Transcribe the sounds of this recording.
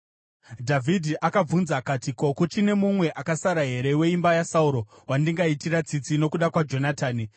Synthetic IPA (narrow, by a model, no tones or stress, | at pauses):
dʱavʱidʱiʔakab͡vunzakatiko̞kut͡ʃine̞mumwe̞ʔakasaɾaɦe̞ɾe̞we̞imbajasauɾo̞ | wandiŋɡaitirat͡sit͡sino̞kuɗakwad͡ʒo̞nataːni